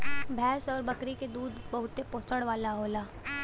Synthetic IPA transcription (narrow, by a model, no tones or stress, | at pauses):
bʱɛːsɔːɾbɐkɾiked̪uːd̪bɐɦʊt̪epoːst̪əɽʋaːlaɦoːlaː